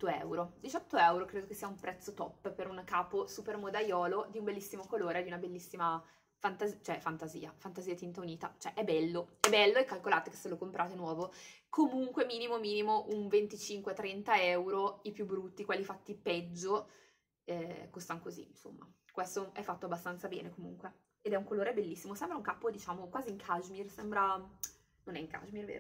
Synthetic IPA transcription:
oɛ̰wɾod̪it͡ʃɔt̪ːoɛwɾokɾeːd̪okesːiːaumpɾɛt̪sːot̪ɔpːpeɾunkaːposupermod̪ajɔːlod̪iumbelːisːimokoloːɾed̪iunabelːisːima | fant̪azit͡ʃoɛfant̪azḭːa̰fant̪aziːat̪int̪auniːt̪a̰t͡ʃoɛʔɛbɛlːoɛbɛlːoɛkːalkolaːt̪eke̥sːelokompɾʔaːt̪enwɔːvokʰomuŋkwemiːnimomiːnimoʔuɱvent̪it͡ʃiŋkwet̪ɾɛnt̪aɛwɾoipjubːɾut̪ːikwɛlːifat̪ːipɛd͡ʒːo | ɛkost̪anokozḭnso̰mːa̰kwest̪oɛfːat̪ːoabːast̪ant̪sabɛ̰ːnekomuŋkwe | ed̪ɛuŋkoloːɾebelːisːimosɛmbɾauŋkapːod̪it͡ʃaːmokwaːziŋkʰaʒmirsɛmbɾa | nonɛiŋka̰ʒmirvḛːɾo

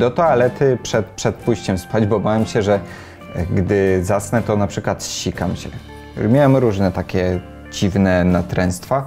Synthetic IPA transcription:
d̪ɔt̪ɔalɛt̪ɘpʂɛt̪pʂɛt̪̚puɕt͡ɕɛmspad͡ʑbɔbavʲɛmɕɛʐɛ | ɡd̪ɘzasnɛt̪ɔnapʂɘkwat̪ɕikamɕɛ̰ | mʲjawɛmɾuʐnɛt̪akʲɛ | d͡ʑivnɛnat̪ɾɛ̃ñst̪fa

